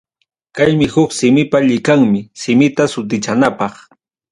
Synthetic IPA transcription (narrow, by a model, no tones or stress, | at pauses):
kajmɪhʊksɪmɪpaʎɪkaŋmɪsɪmɪt̪asʊt̪̬ɪt͡ʃanapɑχ